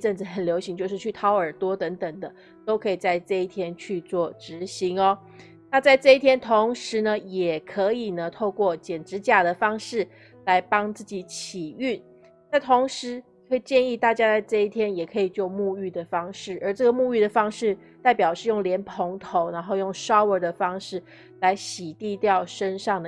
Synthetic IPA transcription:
ʈ͡ʂə˥˩nt͡sɹ̩˨˩xə˨˩nljo˧˥ʊɕi˧˥ŋt͡ɕjo˥˧ʊʂ̬ɻ̩˥˧t͡ɕʰy˥˩t̪ʰɑ˥ʊə˞˨˩t̪wɔ˥t̪ə˧˥ŋt̪ə˨˩ŋd̪ə˦ | t̪o˥ʊkʰɤ˧˥i˨˩t͡sa˥˧ɪʈ͡ʂɤ˥˧i˥˩t̪ʰjɛ˥nt͡ɕʰy˥˧t͡swɔ˥˩ʈ͡ʂɻ̩˧˥ɕi˧˥ŋɔ˧ | na˥˧t͡sa˥˧ɪʈ͡ʂɤ˥˧i˥˩t̪ʰjɛ˥nt̪ʰo˧˥ŋʂɻ̩˧˥nə˧jɛ˨˩kʰɤ˧˥i˨˩nə˩t̪ʰo˥˧ʊkwɔ˥˩t͡ɕjɛ˨˩nʈ͡ʂɻ̩˧˥t͡ɕja˨˩d̪ə˩fɑ˥ŋʂɻ̩˥˩ | la˧˥ɪpɑ˥ŋt͡sɹ̩˥˩t͡ɕi˨˥t͡ɕʰi˨˩y˥˩ | na˥˩t̪ʰo˧˥ŋʂɻ̩˧˥kʰə˧˥i˨˩t͡ɕjɛ˥˧ni˥˧t̪a˥˩t͡ɕja˥t͡sa˥˧ɪʈ͡ʂɤ˥˧i˥˩t̪ʰjɛ˥njɛ˨˩kʰɤ˧˥i˨˩t͡ɕjo˥˧ʊmu˥˧y˥˩d̪ə˩fɑ˥ŋʂɻ̩˥˩ə˞˧˥ʈ͡ʂɤ˥˩ɡə˩mu˥˧y˥˩d̪ə˩fɑ˥ŋʂɻ̩˥˧ | t̪a˥˩ɪpjɑ˨˩ʊʂɻ̩˥˧jʊ˥˩ŋljɛ˧˥npʰo˧˥ŋt̪ʰo˧˥ʊna˧˥nxo˥˧ʊjʊ˥˩ŋʂɑ˥ʊə˞˧˥d̪ə˧fɑ˥ŋʂɻ̩˥˩ | la˧˥ɪɕi˨˩t̪i˥˧t̪jɑ˥˩ʊʂə˦˥nʂɑ˥˩ŋd̪ə˩

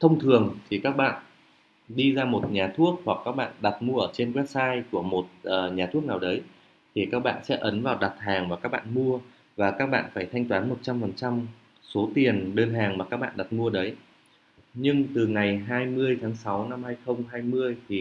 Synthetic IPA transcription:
t̪ʰə˧wŋ͡mt̪ʰɨ˨˩əŋt̪ʰi˨˩kaː˦˥k̚ɓa̰ː˧˨n | ɗi˧zaː˧mo˨˩t̚ɲaː˨˩t̪ʰu˦˥ək̚hwa˨˩kːaː˦˥k̚ɓa̰ː˧˨nɗa˨˩t̚mu˧əʔəː˧˩t͡ɕe˧nkwɛ˦˥p̚saː˧jku˧˩əmo˨˩t̚ʔəː˨˩ɲaː˨˩t̪ʰu˦˥ək̚naː˨˩wɗə˨˦j | t̪ʰi˨˩kaː˦˥k̚ɓa̰ː˧˨nsɛ̰˧˥ʔə˨˦nvaː˨˩wɗa˨˩t̚haː˨˩ŋvaː˨˩kaː˦˥k̚ɓa̰ː˧˨nmu˧ə | vaː˨˩kaː˦˥k̚ɓa̰ː˧˨nfaː˧˩jt̪ʰa˧jŋ̟t̪waː˨˦nmo˨˩t̚t͡ɕa˧mfə˨˩nt͡ɕa˧m | so˨˦t̪i˨˩ənɗəː˧nɦaː˨˩ŋmaː˨˩kaː˦˥k̚ɓa̰ː˧˨nɗa˨˩t̚mu˧əɗə˨˦j | ɲɨ˧ŋt̪ɨ˨˩ŋa˨˩jɦaː˧jmɨ˧əjt̪ʰaː˨˦ŋsa˨˦wna˧mhaː˧jxə˧wŋ͡mɦaː˧jmɨ˧əjt̪ʰi˨˩

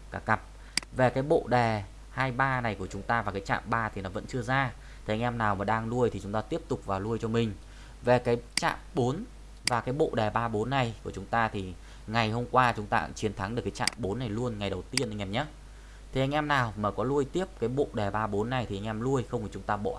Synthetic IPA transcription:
kaː˧˩ka˨˩p̚ | ve˨˩kaː˨˦jɓo̰˧˨ɗɛ˨˩ | haː˧jɓaː˧na˨˩jku˧˩ət͡ɕʊ˨˦ŋ͡mt̪aː˧vaː˨˩kaː˨˦jt͡ɕa̰ː˧˨mɓaː˧t̪ʰi˨˩nɔ˨˦və̰˧˥nt͡ɕɨ˧əzaː˧ | t̪ʰe˨˩a˧ŋʔɛ˧mnaː˨˩wmaː˨˩ɗaː˧ŋlu˧əjt̪ʰi˨˩t͡ɕʊ˨˦ŋ͡mt̪aː˧t̪i˦˥əp̚t̪ʊ˨˩k͡p̚vaː˨˩wlu˧əjt͡ɕɔ˧mï˨˩ŋ̟ | ve˨˩kaː˨˦jt͡ɕa̰ː˧˨mɓo˨˦n | vaː˨˩kaː˨˦jɓo̰˧˨ɗɛ˨˩ɓaː˧ɓo˨˦nːa˨˩jku˧˩ət͡ɕʊ˨˦ŋ͡mt̪aː˧t̪ʰi˨˩ | ŋa˨˩jho˧mkwaː˧t͡ɕʊ˨˦ŋ͡mt̪aː˧t͡ɕi˨˦ənt̪ʰa˨˦ŋɗɨ˨˩əkːaː˨˦t͡ɕa̰ː˧˨mɓo˨˦nːa˨˩jlu˧ənŋa˨˩jɗə˨˩wt̪i˧ənʔa˧jŋʔɛ˧mɲə˦˥t̚ | t̪ʰe˨˩ʔa˧ŋ̟ʔɛ˧mnaː˨˩wmaː˨˩kɔ˨˦lu˧əjt̪i˦˥əp̚kaː˨˦jɓo̰˧˨ɗɛ˨˩ɓaː˧ɓo˨˦nːa˨˩jt̪ʰi˨˩ʔa˧ŋ̟ʔɛ˧mlu˧əjxə˧wŋ͡mi˨˩t͡ɕʊ˨˦ŋ͡mt̪aː˧ɓo̰˧˨

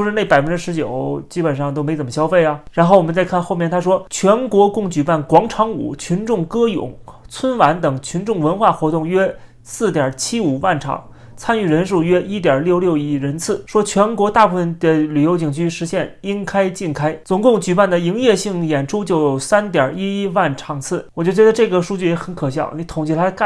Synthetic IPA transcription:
ʂɻ̩˥˧ne˥˩ɪpa˨ɪfə˦nʈ͡ʂɻ̩˥ʂɻ̩˧˥t͡ɕjo˨˩˦ʊt͡ɕi˥pə˨˩nʂɑ˥˧ŋt̪o˥ʊme˧˥ɪt͡sə˨˩mə˧ɕjɑ˥ʊfe˥˩ɪɐ˩ɻa˧˥nxo˥˩ʊwɔ˨˩mə˦t͡sa˥˧ɪkʰa˥˧nxo˥˧ʊmjɛ˥˩nt̪ʰa˥ʂ̬wɔ˥t͡ɕʰɥɛ˧˥nkwɔ˧˥kʊ˥˩ŋt͡ɕy˨˩pa˥˩nkwɑ˧˥ŋʈ͡ʂʰɑ˧˥ŋṵ˨˩˦t͡ɕʰy˧˥nʈ͡ʂʊ˥˩ŋkɤ˥jʊ̰˨˩˦ŋt͡sʰwə˥nwa˧˥nt̪ɤ˨˩ŋt͡ɕʰy˧˥nʈ͡ʂʊ˥˩ŋwə˧˥nxwa˥˩xwɔ˧˥t̪ʊ˥˩ŋɥɛ˥ | sɹ̩˥˩t̪jɐ˞˨˩t͡ɕʰi˥u˨˩wa˥˩nʈ͡ʂʰɑ̰˨˩˦ŋ | t͡sʰa˥ny˥˩ɻə˧˥nʂ̬u˥˩ɥɛ˥ʔi˥t̪jɐ˞˨˩ljo˥˧ʊljo˥˧ʊi˥˩ɻə˧˥nt͡sʰɹ̩˥˩ʂwɔ˥t͡ɕʰɥɛ˧˥nkwɔ˧˥t̪a˥˧pu˥˩fə˩nd̪ə˨ly˨˩jo˧˥ʊt͡ɕi˨˩ŋt͡ɕʰy˥ʂɻ̩˧˥ɕjɛ˥˩ni˥nkʰa˥ɪt͡ɕi˥˩nkʰa˥ɪt͡sʊ˧˥ŋkʊ˥˩ŋt͡ɕy˨˩pa˥˩nd̪ə˩i˧˥ŋjɛ˥˧ɕi˥˩ŋjɛ˨˩nʈ͡ʂʰu˥t͡ɕjo˥˩ʊjo˨˩ʊsa˥nt̪jɑ˨˩i˥i˥wa˥˩nʈ͡ʂʰɑ˧˩ŋt͡sʰɹ̩˥˩wɔ˨˩t͡ɕo˥˩ʊt͡ɕɥɛ˧˥d̪ə˧ʈ͡ʂɤ˥˩ɡə˩ʂu˥˧t͡ɕy˥˩jɛ˧˥xə˧˥nkʰɤ˨˩ɕjɑ̰˥˩ʊ˧ni˧˥t̪ʰʊ˨˩ŋt͡ɕʰi˥˩t̪ʰa˥ka˥˧

